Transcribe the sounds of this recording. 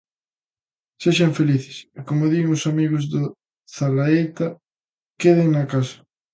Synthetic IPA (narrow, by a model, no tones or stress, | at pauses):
seʃaɱfeliθe̥sikomoðiɣŋosamiɣozðo | θalaet̪a | keð̞eŋnakasḁ